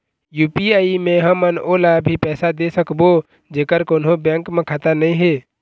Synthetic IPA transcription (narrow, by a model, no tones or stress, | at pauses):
juːpiaːimẽɦəmənoːlabʱipɛːsad̪esəkbo | d͡ʒeːkəɾkoːnɦõbẽːŋkmẽkʰaːt̪anəĩɦeː